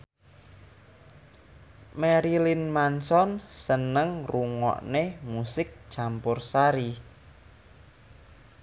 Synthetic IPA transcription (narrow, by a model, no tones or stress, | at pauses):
meɾilinmansɔnsənəŋruŋɔ̰ʔnemusɪk̚ʒ̥ampʊrsaɾi